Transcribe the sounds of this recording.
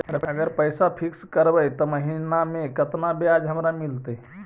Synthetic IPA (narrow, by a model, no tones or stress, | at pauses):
ɾəəɡəɾpəjsapʰikskəɾbəjt̪ɔməɦinamẽkət̪nabead͡ʒɦəmɾamilt̪e